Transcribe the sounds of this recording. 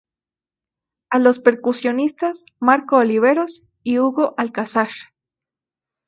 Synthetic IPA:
alo̞spe̞ɾkusjo̞nist̪asmaɾkoːliβ̞e̞ɾo̞s | iuɣo̞ʔalkasaɾ

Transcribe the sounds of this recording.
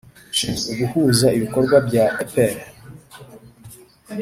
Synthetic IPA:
uɡuhuːzaiβiko̞ɾɡwabɟaepeɾ

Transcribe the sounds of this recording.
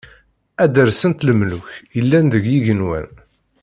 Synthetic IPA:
æd̪əɾsənt̪ləmlʊçjəlːænðəʝjiʝənwæ̰n

